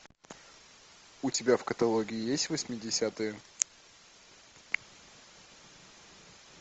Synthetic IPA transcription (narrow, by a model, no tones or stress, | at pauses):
ʊtʲɪbʲafkət̪ɐlˠoɡʲɪɪjesʲtʲvəsʲmʲɪdʲɪsʲat̪ɨjə